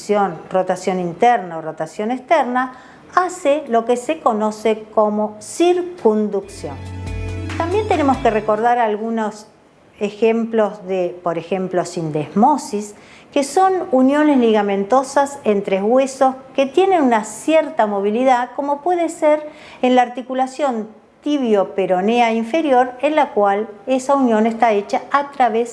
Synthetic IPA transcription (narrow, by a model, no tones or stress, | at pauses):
sjonrot̪asjo̞nint̪ɛɾnaorot̪asjo̞nekst̪eɾna | aselo̞keseko̞no̞sekomo̞siɾkund̪uksjo̰nt̪ambje̞nt̪enemo̞skere̞ko̞ɾðaɾalɣuno̞s | exemplo̞zðepo̞ɾexe̞mplo̞sind̪ezmo̞sis | keso̞nunjo̞nezliɣamẽ̞nt̪o̞sasent̪ɾeɣwe̞so̞ske̞t̪je̞nenunasjeɾt̪amo̞β̞iliðako̞mo̞pwe̞ðeseɾ | enlaaɾt̪ikulasjo̞n | t̪iβjo̞peɾo̞neaiɱfe̞ɾjo̞ɾenlakwale̞saunjo̞nest̪aet͡ʃaat̪ɾaβes